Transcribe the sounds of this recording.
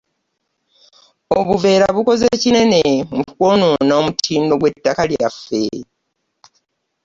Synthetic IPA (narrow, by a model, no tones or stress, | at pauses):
o̞βuve̞ːɾaβuko̞zeːcine̞ne̞mukuko̞noːnaomutʰiːndo̞ɡwe̞tːakalja̰fːe̞̰